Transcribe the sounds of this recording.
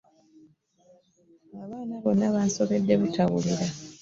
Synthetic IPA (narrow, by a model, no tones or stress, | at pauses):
aβaːnaβo̞nːaβaːnso̞βe̞dːe̞βutawuliɾa